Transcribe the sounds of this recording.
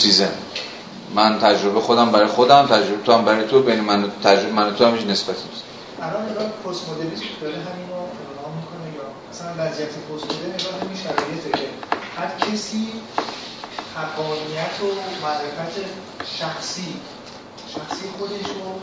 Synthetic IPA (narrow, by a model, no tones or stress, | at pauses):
sizen | mænt̪ʰæd͡ʒɾobexod̪æmbæɾɒjxod̪æmt̪ʰæd͡ʒɾobet̪oæmbæɾɒjet̪ʰobenimænot̪ʰæd͡ʒobmænot̪ʰohæmeʃne̞sbæt̪ʰenis | ʔælɒneɡɒnpʰoɾsmod̪eɾisʰed̪ɒɾeɦæminvɒːpʰeɾonɒːmikʰonejɒːmæsælænvæzijæt̪ʰepʰoɾsmod̪eneɡɒːhhæmiʃæɾɒːje̞t̪ʰd̪eɾehæɾcʰesiː | hæɡɒːnijæt̪ʰomæɾːefæt̪ʰe | ʃæxsiː | ʃæxsiexod̪e̞ʃɾo